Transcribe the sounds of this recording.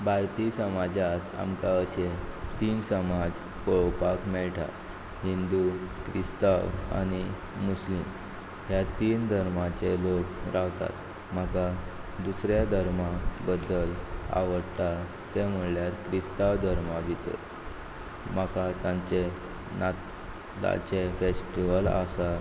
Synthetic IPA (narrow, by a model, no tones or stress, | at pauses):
baɾt̪isəmad͡zat̪a̰mkaəɕet̪iːnsəmad͡z | pəɭpakmɛɭʈʰa̰ | ɦind̪ukɾist̪aʋa̰ñi | muslim | ɦjat̪iːnd̪ʱəɾmat͡ɕelokɾaʋt̪a̰t̪ | m̤aka | d̪usɾjad̪ʱəɾmabəd̪ːəla̰ʋəɽt̪a | t̪em̤əɭljat̪kɾist̪aʋd̪ʱəɾmabʱit̪ə̰ | m̤akat̪jãɲt͡ɕe | nat̪ | la̰t͡ɕefesʈiʋəla̰sa